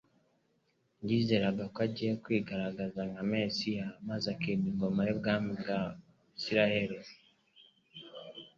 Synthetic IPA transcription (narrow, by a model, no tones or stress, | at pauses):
ɲɟiːze̞ɾaɡakoaɟije̞kwiːɡaɾaɡazanamesijamazakiːniŋɡo̞majebɡaːmibɡa | siɾahe̞ɾe